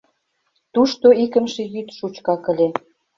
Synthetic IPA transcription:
t̪uʃt̪oikə̆mʃejyt̪ʃut͡ɕkɑkə̆lʲe

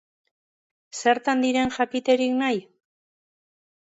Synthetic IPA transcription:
se̞ɾt̪and̪iɾe̞nʝakit̪e̞ɾiknaj

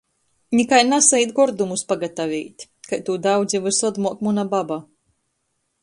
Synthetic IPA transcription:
nʲikajnasɛjt̪ɡɔɾd̪umuspaɡat̪avʲiːt̪ʲ | kajt̪uːd̪awd̪zʲivɨsɔd̪muɔkmunababa

